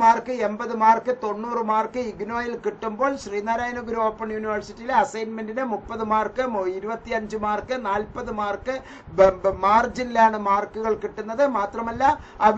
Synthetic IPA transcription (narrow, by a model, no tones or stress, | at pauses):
maːrkɨe̞mbɐðɨmaːrkɨt̪o̞nːuːrɨmaːrkɨiɡno̞ːjilkiʈːumbo̞ːɭɕriːnaːɾaːjɐnɐɡuɾuoːpːɐɳjuːniʋɐrsitːijileɐsɐjnmendinɨmupːɐðɨmaːrkɨiɾubɐt̪ːiɐɲd͡ʑɨmaːrkɨnaːlpɐðɨmaːrkɨ | maːrd͡ʑinilaːɳɨmaːrkːuɣɐɭkiʈːunːɐðɨmaːt̪rɐmɐlːɐɐʋ